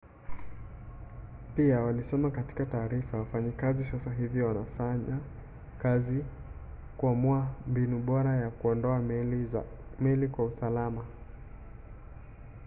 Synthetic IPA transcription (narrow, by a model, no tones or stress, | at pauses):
piawalisɛmakati̥kataːɾifawafaɲikazisasaɦiviwanafaɲa | kazi | kuamuambinuɓɔɾajakuɔndɔa | mɛlikwausalama